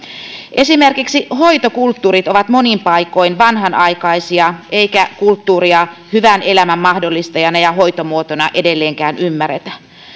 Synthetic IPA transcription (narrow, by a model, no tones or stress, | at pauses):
ʔe̞simerkiksiho̞it̪o̞kult̪ːuːɾit̪o̞ʋɑt̪mo̞nimpɑjko̞jnʋɑnɦɑnɑjkɑjsiɑe̞ikækult̪ːuːɾiɑhyʋæne̞læmæmːɑhdo̞lːist̪ɑjɑnɑjɑɦo̞jt̪o̞muot̪onɑʔe̞de̞lːeːŋkæːnymːærɾet̪æ